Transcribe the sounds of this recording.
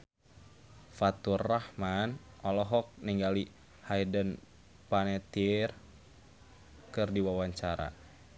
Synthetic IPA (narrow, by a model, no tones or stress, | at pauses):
fat̪urːahman | ʔɔlɔɦɔk̚niŋɡali | haidən | panɛt̪ir | kɨrdiwawaɲt͡ʃaɾa̰